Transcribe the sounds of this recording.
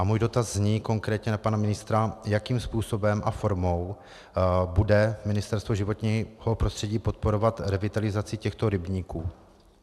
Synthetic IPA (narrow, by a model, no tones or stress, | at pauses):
ʔamuːjdo̞t̪azːɲiːko̞ŋkɾɛːt̪ɲɛnapanamɪnɪst̪ɾajakiːmspuːso̞bɛmʔafo̞ɾmo̞w | budɛmɪnɪst̪ɛɾst̪voʒɪvo̞t̪ɲiːho̞pɾost̪r̥ɛɟiːpo̞t̪̚po̞ɾo̞vat̪ɾɛvɪt̪alɪzat͡sɪcɛxt̪o̞ɾɪbɲiːkuː